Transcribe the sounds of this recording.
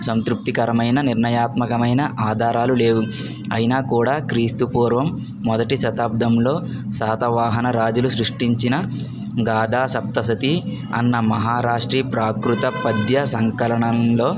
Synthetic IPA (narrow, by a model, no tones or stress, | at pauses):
sɐnt̪ɾup̚t̪ikɐɾɐmɐjnɐniɾnɐjaːt̪mɐkɐmɐjnɐʔaːd̪ʱaːɾaːlule̞ːwu | ɐ̰jinaːkuːɽaːkɾiːst̪upuːɾʋɐmː | ɔd̪ɐʈiʃɐt̪aːb̚d̪ʱɐmlo̞ː | saːt̪ɐʋaːɦɐnɐɾaːd͡ʒulusɾuʂʈiɲt͡ʃinɐ | ɡaːd̪aːsɐp̚t̪ɐsɐt̪i | ɐ̰nːɐmɐɦaːɾaːʂʈɾiːpɾaːkɾut̪ɐpɐd̪jɐsɐŋkɐlɐɳɐnlo̞ː